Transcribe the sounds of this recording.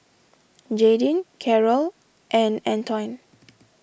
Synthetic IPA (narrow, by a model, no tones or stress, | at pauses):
d͡ʒedĩnkʰɛɹəl | ʔɛ̃nɛ̃ntʰɔ̃jn